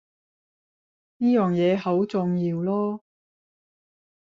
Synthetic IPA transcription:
niː˥jœː˨ŋjɛː˨˧ho˨˥wt͡sʊ˨ŋjiː˧wlɔː˥

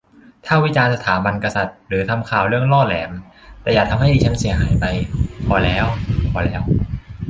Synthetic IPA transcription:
t̪ʰaː˥˩wi˦˥t͡ɕaː˧nsa˧t̪ʰaː˩˦ba˧nka˧sa˨˩t̪̚ɾɯː˩˦t̪ʰa˧mkʰaː˨˩wɾɯ˥˩əŋlɔː˥˩lɛː˩˦m | t̪ɛː˨˩jaː˨˩t̪ʰa˧mɦa˥˩jʔiː˨˥˩t͡ɕʰa˦˥nsi˨˩˦ɐɦaː˩˦jpa˧jpʰɔː˧˩lɛː˦˥wpʰɔː˧˩lɛː˦˥w

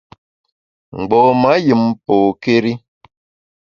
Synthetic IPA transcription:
ŋ͡m̩˨ɡ͡bɔ˨ma˨˦ji˨mpo˨ke˦ɾi˦

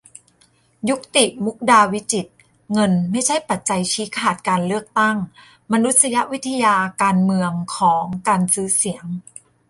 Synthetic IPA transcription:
ju˦˥k̚t̪i˨˩ʔmu˦˥k̚daː˧wi˦˥t͡ɕi˨˩t̪̚ | ŋɤ˧nma˥˩jt͡ɕʰa˦˥˩jpa˨˩t̪̚t͡ɕa˧jt͡ɕʰiː˦˥kʰaː˨˩t̪̚kaː˧nlɯ˥˩ək̚t̪a˥˩ŋ | ma˧nu˦˥t̪̚sa˧ja˦˥ʔwi˦˥t̪ʰa˧jaː˧kaː˧nmɯ˧əŋkʰɔː˩˦ŋkaː˧nsɯː˦˥si˩˦əŋ

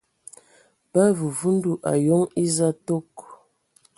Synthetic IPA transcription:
pa˦vu˨vu˦n̩˦du˦ʔa̰˨jɔ˦ŋi˦za˦to˦k

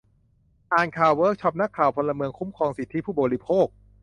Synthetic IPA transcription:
ʔaː˨˩nkʰaː˨˩wːɤː˦˥k̚t͡ɕʰɔ˦˥p̚na˦˥kʰːaː˨˩wpʰo˧nlːa˧mɯ˧əŋkʰu˦˥mkʰɔː˧ŋsi˨˩t̪ʰːi˦˥pʰuː˥˩ɔː˨˩ɾi˦˥pʰoː˥˩k̚

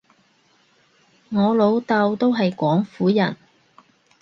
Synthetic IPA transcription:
ŋɔː˨˧lo˨˧wt̪ɐ˧wt̪o˥wɦɐ˨jkʷɔː˨˥ŋfuː˨˥jɐ̰˨˩n

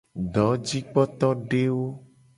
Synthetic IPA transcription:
ɖɔ˨˦d͡ʒi˦k͡pɔ˦t̪ɔ˦ɖe˦wo˦

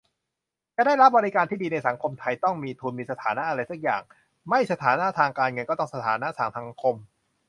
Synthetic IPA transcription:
t͡ɕaː˨˧˩daː˥˩jɾa˦˥p̚bɔː˧ɾi˦˥kaː˧nt̪ʰiː˥˩diː˧na˧jsa˩˦ŋkʰo˧mt̪ʰa˧jt̪ɔ˥˩ŋmiː˧t̪ʰu˧nmiː˧sa˧t̪ʰaː˩˦na˦˥ʔa˧ɾa˧jsa˦˥k̚ja̰ː˨˩ŋ | ma˥˩jsa˧t̪ʰaː˩˦na˦˥t̪ʰaː˧ŋkaː˧nŋɤ˧nkɔː˥˩t̪ɔ˥˩ŋsa˧t̪ʰaː˩˦na˦˥saː˩˦msa˩˦ŋkʰo˧m

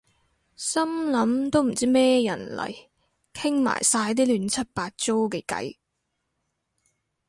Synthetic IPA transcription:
sɐ˥mlɐ˨˥mt̪o˥wm̩˨˩t͡siː˥mɛː˥jɐ˨˩nlɐ̰˨˩j | kʰɪ˥ŋma̰ː˨˩jsaː˧jt̪̬iː˥lyː˨˧nt͡sʰɐ˥t̚paː˧t̚t͡so˥wkɛ˧kɐ̰˨˥j

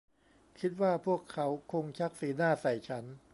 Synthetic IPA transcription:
kʰi˦˥t̪̚waː˥˩pʰu˥˩əkʰːa˦˥wkʰo˧ŋt͡ɕʰa˦˥k̚siː˨˩˦naː˥˩sa˨˩jt͡ɕʰa˦˥n

